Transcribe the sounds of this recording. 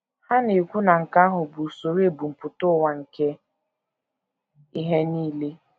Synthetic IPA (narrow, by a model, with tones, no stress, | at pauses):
ha˦ni˨kʷu˦na˨ŋ̩˨ka˦ɦʊ˨bu˨so˨ɾe˦˨bu˨m̩˨pʊ˨tʊ˦wa˨ŋ̩˨ke˦ | i˦ɦe˦niː˦le˦